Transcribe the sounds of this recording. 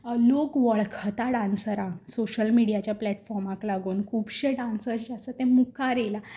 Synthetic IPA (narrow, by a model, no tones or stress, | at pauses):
lokʋəɭkʰət̪aɽansəɾãŋɡsoɕəlmiɽijat͡ɕjaplɛʈfɔɾmaklaɡuːnkʰuːpɕeɖansəɾd͡ʑasət̪ɛ̃mukʰaɾela